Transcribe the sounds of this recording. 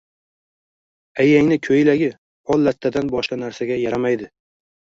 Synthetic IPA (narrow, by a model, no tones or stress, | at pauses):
ajaŋnɪkʲʰɵjlaɡʲɪ | ɒlˠːat̪ʰːad̪anbɒʃqanaɾsaɡʲajaɾamajd̪ɪ